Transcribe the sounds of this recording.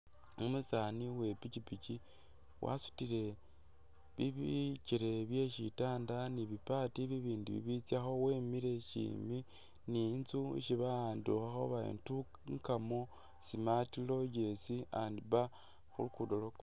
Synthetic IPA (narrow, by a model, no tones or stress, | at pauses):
umusaniwe̞pit͡ʃipici | wʔa̰su̥tiɾe̞ | βiβiciɾe̞βje̞ʃitaːndaniβipatiβiβiːndiβḭβit͡sjaxo̞wemiɾe̞ʃḭmi | nint͡suḭʃiβaaːnduxaxo̰βaḛntu | ŋkamo | simatilo̞ɟe̞siandiβa | xṵlukudolok